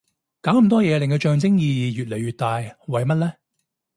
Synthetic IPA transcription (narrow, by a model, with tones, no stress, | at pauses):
kaː˨˥wm̩˨˩t̪ɔː˥jɛː˨˧lɪ˨ŋkwt͡ʃœː˧ŋt͡sɪ˥ŋjiː˧jiː˨˧jyː˨t̚le˨˩jɥyː˨t̚t̪aː˨˧jwɐ˨jmɐ˥t̚lɛː˥